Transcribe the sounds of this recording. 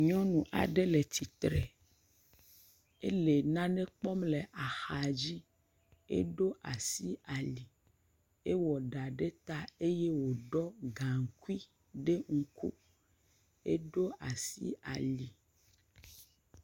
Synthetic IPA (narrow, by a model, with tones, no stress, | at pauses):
ɲɔ̃˦nũ˨ʔa̰˨ɖe˦le˨t̪i˨t̪ɾɛ˨ | e˦le˨nã˦ne˦k͡pɔ˦mle˨ʔa˨xa˨d͡ʑi˦ | ḛ˦ɖo˦ʔa˨si˦a˨li˨ | e˦wɔ˨ɖa˨ɖe˦t̪a˦e˦je˦wo˨ɖɔ˦ɡã˨ŋ̩˨ku˦i˦ | ɖe˦ŋu˦kṵ˦ | ḛ˦ɖo˦a˨sḭ˦a̰˨li˨